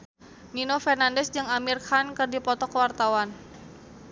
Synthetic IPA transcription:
ninofɛrnandɛsd͡ʒɨŋamirkʰankɨrdipɔt̪ɔkəwart̪awan

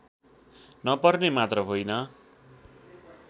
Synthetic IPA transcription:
nʌpʌrnemat̪rʌɦojnʌ

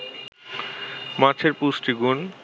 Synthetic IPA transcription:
mat͡ɕʰeɾpusʈiɡun

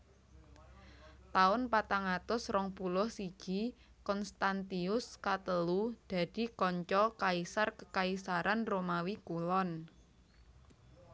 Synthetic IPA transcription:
t̪aʊnpat̪aŋat̪ʊsrɔŋpulʊhsiɡ̥ikɔnst̪ant̪iʊskat̪əlud̪̥a̤d̪̥i̤kɔɲt͡ʃɔkaisarkəkaisaɾanromawikulɔn

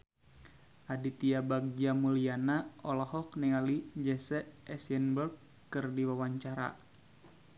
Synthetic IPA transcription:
ʔadit̪iabak̚d͡ʒamulianaɔlɔhɔknɛŋalid͡ʒɛsɛʔɛsɛnbərɡ̚ | kɨrdiwawaɲt͡ʃaɾa̰

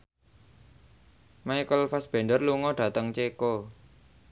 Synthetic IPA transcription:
majkəlfasb̥ɛ̤nɖərluŋɔɖ̥ä̤t̪əŋt͡ʃeko

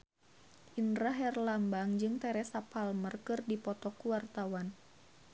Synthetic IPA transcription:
ʔinɾaɦɛrlambaŋd͡ʒɨŋt̪ɛɾɛsapalmərkɨrdipɔt̪ɔkuwart̪awan

